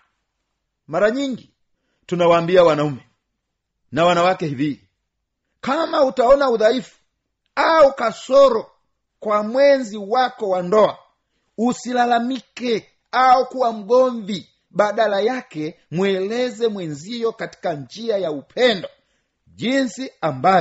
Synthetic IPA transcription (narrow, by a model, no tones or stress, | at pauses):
maɾaɲiŋɡi | tunawaːmbiawanaumɛ | nawanawakɛhivi | kamautaɔnauðaifu̥ | aukasɔɾɔ | kwamwɛnziwakɔwandɔa | usilalamikɛ | aukuwam̩ɡɔɱvi | ɓaɗalajakɛ | mwɛlɛzɛmwɛnzijɔkati̥kaɲd͡ʒiajaupʰɛndɔ | ʄinsiamba